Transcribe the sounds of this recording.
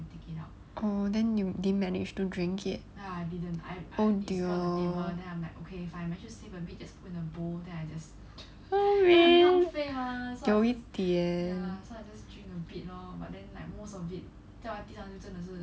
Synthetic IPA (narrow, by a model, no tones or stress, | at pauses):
tikitaʊt | ʔodɛ̃njudimɛnɪ̰d͡ʒtudɹĩŋkʰɪt̚aajdidə̃nta̰odiodɛ̃nãɪmlaɪkokʰeifaɪ̃maɪʃussivəbit̚d͡ʒaspʰutĩnəbodɛ̃naɪd͡ʒas | oɹifeɦasjɔowestiəsoaɪd͡ʒasdɹĩŋkəbit̚nɔba̰t̚dɛ̃nlaɪk̚mosɔvit̚ | tɛatĩsãjutə̃nəsu